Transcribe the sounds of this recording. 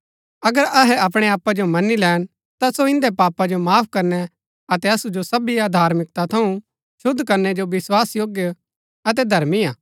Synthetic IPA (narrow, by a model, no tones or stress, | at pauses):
ɐɡəɾɐɦɛɐp̬ɽ̃eaːpːad͡ʒomɐnilɛːɽ̃ | t̪asoɪ̃nd̪ɛpaːpad͡ʒomaːpʰkɐɾnɛ | ɐt̪ɛɐsud͡ʒosɐbiaːd̪ʱaːɾmɪk̚t̪at̪ʰɐũ | ʃʊd̪ʱːkɐɾnɛd͡ʒoʋɪswaːsjoːɡjə | ɐt̪̬ɛd̪ʱɐɾmiãː